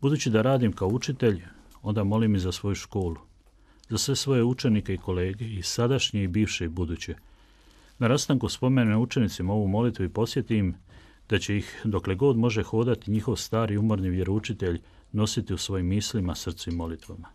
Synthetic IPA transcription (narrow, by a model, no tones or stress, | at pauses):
bud̪uːt͡ɕid̪aɾaːd̪imkaout͡ʃit̪e̞ʎo̞nd̪amo̞limizasʋo̞juʃko̞ːlu | zasʋe̞sʋo̞jeut͡ʃe̞nikeiko̞le̞ːɡe̞isad̪aʃɲeibiːʋʃebud̪uːt͡ɕe | naɾast̪aŋkuspo̞meɲenout͡ʃe̞nit̪simao̞ʋumo̞lit̪ʋuipo̞sje̞t̪im | d̪̥at͡ɕe̞ixd̪o̞kle̞ɡo̞d̪mo̞ʒe̞xo̞ːd̪at̪iɲixo̞ʋst̪aːɾiumo̞ɾniʋje̞ɾout͡ʃit̪e̞ʎ | no̞sit̪iusʋo̞jimːisʎimasr̩t̪sɛimːo̞lit̪ʋama